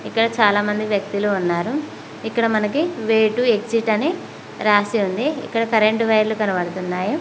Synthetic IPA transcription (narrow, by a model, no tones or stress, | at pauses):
ikːɐɽɐt͡ʃaːlaːmɐnd̪iʋjɐk̚t̪iluunːaːɾu | ikːɐɽɐmɐnɐkiʋeːʈueksiʈɐneː | ɾaːsiund̪iḭkːɐɽɐkɐɾeɳʈʋɐjɾlukɐnɐʋɐɽɐt̪unːaːju